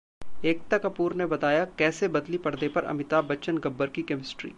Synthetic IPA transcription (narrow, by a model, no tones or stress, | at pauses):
eːk̚t̪ɐkɐpuːɾnebɐt̪aːjakɛːsebɐd̪lipɐɽd̪epɐɾɐ̰mɪt̪abɐt͡ʃənɡɐbːəɾkikɛmɪsʈɾḭː